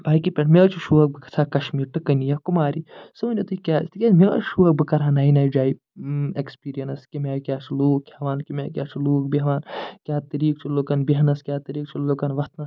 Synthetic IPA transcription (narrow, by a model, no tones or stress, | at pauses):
baːikipʲeʈmeɐt͡ʃʰuʃuɐk̚bɨkɐ̥t͡sʰaːkɐʃmiːɾʈɐkɐnijakumaːɾisɨunʲot̪uikʲaːst̪ʰikʲemeɐ̰t͡ʃʃuɐk̚bɨkɐɾaːnaːjinaːjd͡ʒaːi | ekspiːɾijɐnɐskʲimʲekʲjaːt͡ʃʰuluːkhɐʋaːnkʲimʲeːkʲjaːt͡ʃʰuluːk̚biɦɐʋaːnkʲaːt̪ɐɾiːk̚t͡ʃʰulokɐnbiɦɐnɐskʲjaːt̪ɐɾiːk̚t͡ʃʰulokɐnʋɐt̪ʰnɐs